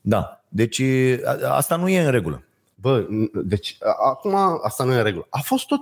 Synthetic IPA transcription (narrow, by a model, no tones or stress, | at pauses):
d̪a̰d̪e̞t͡ʃʲ | a̰st̪anuje̞ɨnɾe̞ɡulə̰ | bəd̪e̞t͡ʃʲakumaast̪anujeɾe̞ɡuləʔafo̞st̪ːot̪